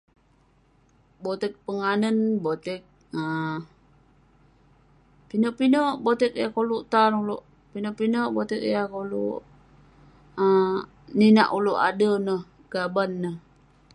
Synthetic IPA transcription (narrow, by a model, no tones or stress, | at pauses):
bot̪ɛk̚pəŋanənbot̪ɛk̚ | ə | pinəʔpinəʔbot̪ɛk̚jakoluʔt̪arulṵʔ | pinəʔpinəʔbot̪ɛk̚jakolṵʔ | ə | nina̰ʔuluʔa̰dənəh | ɡ̥abanːəh